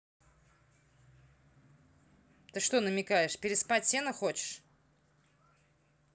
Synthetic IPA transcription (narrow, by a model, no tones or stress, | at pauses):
t̪ɨʂt̪onəmʲɪkajɪʂpʲɪɾʲɪspatʲsʲenəxot͡ɕɪ̥ʂ